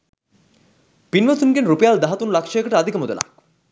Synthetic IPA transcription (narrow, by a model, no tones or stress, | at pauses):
pinʋɐt̪ʰunɡenɾupejald̪aɦat̪unlakʂɐjəkəʈəad̪ʱikəmod̪olʔa̰k